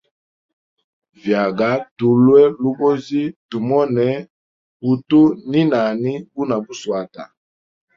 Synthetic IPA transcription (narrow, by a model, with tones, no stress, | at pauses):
vja˨ɡa˨˦tu˨lwɛ˦lu˦bo˦zi˦tu˨mɔ˦nɛ˨˦ | pu˨tu˦ni˦na˨ni˦bu˦na˨bu˦swa˨ta̰˨